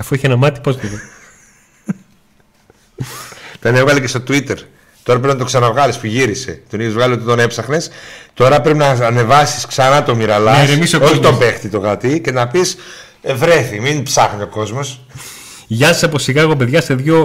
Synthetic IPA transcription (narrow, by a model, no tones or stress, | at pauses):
ɐfuiçeenɐmɐt̪i̥poztio | t̪onevɣɐlicest̪o̞t̪uit̪e̞ɾ | t̪o̞ɾɐpɾepinɐt̪o̞ksɐnɐvɣɐlispuʝiɾise̞̰t̪oniðozvɣɐliot̪it̪one̞psɐxne̞st̪o̞ɾɐpɾepinɐːne̞vɐsi̥sksɐnɐt̪o̞miɾɐlɐesemisokoçit̪o̞be̞xt̪it̪o̞ɣɐt̪ice̞nɐpis | evɾe̞θiminpsɐxnio̞ko̞zmo̞s | ʝɐi̥sɐposiɣɐɣop̬eðʝɐse̞ðʝo̞